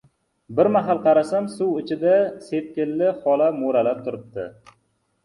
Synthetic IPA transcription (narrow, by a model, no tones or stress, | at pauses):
bɪɾmaɦalˠqʰɑɾasamsʊwɪt͡ʃʰɪd̪aset̪̚kʲɪlːɪχɒlamoɾalap̚t̪ʰʊɾɪp̚t̪ɪ̰